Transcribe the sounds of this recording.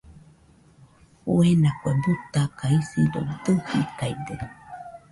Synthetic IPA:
huenakʷebut̪akaisiɾo̰d̪ɨhikajd̪e

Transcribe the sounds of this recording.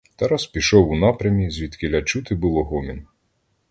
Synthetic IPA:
t̪ɑɾaspʲiʃɔwunɑpɾʲɐmʲizʲʋʲit̪kɪlʲɐt͡ʃut̪ɪbʊlˠɔɦɔmʲɪn

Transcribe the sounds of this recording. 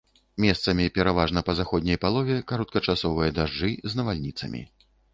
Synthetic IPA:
mʲɛst̪sɐmʲipʲɛɾavaʐnɐpɐzaxɔd̪ʲnʲɐjpalˠɔvʲɛkaɾɔt̪̚kɐt͡ʂasɔvɨjɐd̪aʐɨznɐvalʲnʲit̪sɐ̰mʲḭ

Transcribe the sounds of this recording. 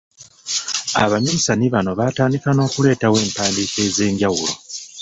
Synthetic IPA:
a̰βaɲiɲisaniβano̞βataːndikano̞ːkule̞ːtawe̞ːmpaːndiːke̞ze̞ːɲɟawulo̞̰

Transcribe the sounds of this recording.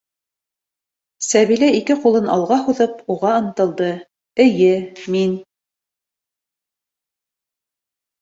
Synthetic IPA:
sæβilæikɘqulˠɤnɑ̰lˠʁɑɦuðɤpuʁɑɤ̆nt̪ɤ̆lˠd̪ɤ | ɘ̆jɘmin

